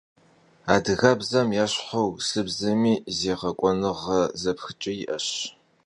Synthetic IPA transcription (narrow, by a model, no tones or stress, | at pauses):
aːdɨɣɐbzɐmjaːɕħowsɨbzɐmiːzeːʁɐkʷʼɔnɨʁɐzɐpxɨt͡ʃʼɐjɪʔɐɕ